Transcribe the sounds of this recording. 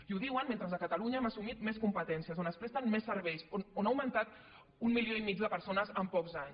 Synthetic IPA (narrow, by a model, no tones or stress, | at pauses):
iuðiwənment̪ɾəzðəkək̪əluɲəɛmasumit̪meskumpət̪ɛnsiəzonəspɾɛst̪ənmesːəɾβɛjsononawmənt̪at̪ | ummilioimid͡ʒd̪əpəɾsonəzəmpɔkzaɲs